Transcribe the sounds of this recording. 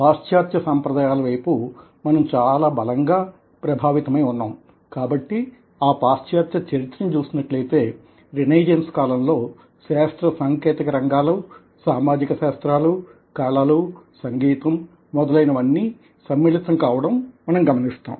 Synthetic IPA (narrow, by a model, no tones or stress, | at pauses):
paːʂtjaːt̪jɐsaːmpɾɐd̪aːjaːlɐʋɐjpu | mɐnɐmt͡ʃaːlaːbɐlɐŋɡaː | pɾɐbʱaːʋit̪ɐmɐjunːaːm | kaːbɐʈːi | aːpaːst͡ʃjaːt̪jɐt͡ʃɐɾit̪ːɾɐnt͡ʃuːsinɐʈlɐjt̪e̞ː | ɾineːd͡ʒenskaːlɐmlo̞ː | ʃaːst̪ɾɐsaŋkeːt̪ikɐɾɐŋɡaːlu | saːmaːd͡ʒikɐʃaːst̪ɾaːlu | kaːɭaːlusɐŋɡiːt̪ɐmː | ɔd̪ɐlɐjnɐʋɐnːiː | sɐmːiːlit̪ɐmkaːʋɐɽɐmmɐnɐmɡɐmɐnist̪a̰ːm